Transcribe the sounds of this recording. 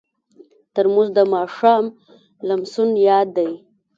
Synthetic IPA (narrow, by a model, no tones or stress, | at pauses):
t̪əɾmuzd̪əmɑʂɑm | lamsunjɑd̪ːaj